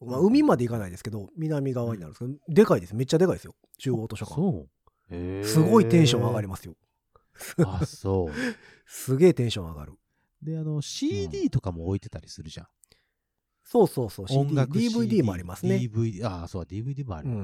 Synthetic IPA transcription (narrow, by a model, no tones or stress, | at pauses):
maɯ̟mʲimad̪e̞ikanaid̪e̞sɨ̥ke̞d̪o̞mʲinamʲiɡaβaɲinaɾɯ̰̃nsked̪d̪e̞kaid̪esɨme̞t͡ɕːad̪e̞kaidesɨjo̞ | t͡ɕɨːoːt̪o̞ɕo̞ka | sɨɡo̞it̪ẽ̞ɰ̃ɕõ̞ɰaɡaɾʲimasɨjo̞ | saso | sɨɡe̞ːt̪ẽ̞ɰ̃ɕõ̞a̰ɡa̰ɾɯ̟ | d̪e̞ano̞ɕiːd̪ʲiːt̪o̞kamo̞ːit̪e̞t̪aɾʲisɨɾɯ̟ʑã̰ | so̞ːso̞ːso̞ːɕiŋd̪iɡakd̪iːbɯ̟id̪ʲiːmoaɾimasɨnebɯiasoːkad̪ʲiːbɯ̟id̪ʲiːmoa̰ɾɯ̟̃ɴ